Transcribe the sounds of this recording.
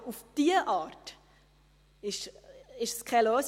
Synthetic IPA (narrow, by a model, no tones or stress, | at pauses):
ufd̥iːəʔɑːɾt | ɪʃɪʃskʰɛløːs